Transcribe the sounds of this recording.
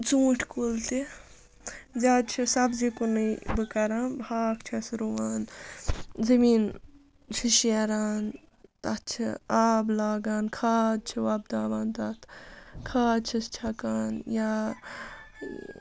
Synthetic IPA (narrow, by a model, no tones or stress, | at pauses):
t͡sũːʈʰkolt̪e | d͡ʒaːd̪t͡ʃʰisɐbzikonɐjbɨkɐɾaːbʱaːkt͡ʃʰɐsɾoʋaːn | zɐmiːn | t͡ʃʰiʃeːɾaːn | t̪ɐt͡ʃʰɐ̰aːblaːɡaːnkʰaːd̪̚t͡ʃʰiʋaːb̚d̪aːbaːnt̪aːt̪ʰkʰaːd̪t͡ʃʰɐst͡ʃʰɐkaːnjaː